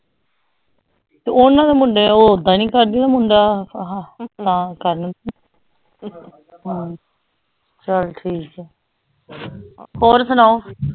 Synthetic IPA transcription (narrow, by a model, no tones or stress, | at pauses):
t̪eonːãːd̪eːmʊɳɖeːoːd̪ãːnĩːkəɾd̪ĩːd̪aːmʊɳɖaːɦãːt̪ãːkəɾnət̪ː | ɦãː | t͡ʃəlʈʰiːkkɛ | hoːɾsənaːoː